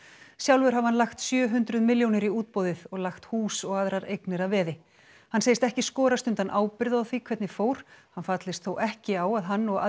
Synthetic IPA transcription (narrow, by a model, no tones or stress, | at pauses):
sjawlvɛɾ̥ɦavhanlaxt̪sjœːɦʏnt̪ɾʏðmɪljownɪɾiuːt̪̚powðɪðɔɣlaxt̪huːsɔɣaðɾaɾejknɪɾaðvɛːðɪ | hansejɪst̪ɛhcɪskɔːɾast̪ʏnt̪anʔaːwpɪɾðaawθikʰvɛt̪nɪfoːwɾ̥hanfat̪lɪst̪θowʔɛhcɪaːwaðɦanːɔɣa̰